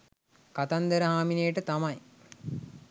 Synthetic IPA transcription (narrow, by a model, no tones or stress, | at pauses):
kat̪and̪əɾəɦaːminejəʈət̪amaj